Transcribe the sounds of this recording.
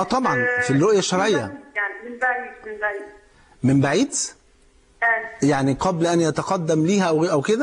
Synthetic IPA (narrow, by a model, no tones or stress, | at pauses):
ʔɑt̪ˤɑbʕɑnfilɾoʔjæʃːɑɾˤʕejːæjbia | mɪmbaʕiːd̪ | jaʕniqɑblʔænjæt̪ɑqɑd̪ːæmliːhæʔæwʔæwked̪æ